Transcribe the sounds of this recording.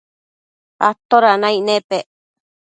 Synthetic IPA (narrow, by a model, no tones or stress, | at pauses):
a̰t̪oɾanaiʔnepeʔ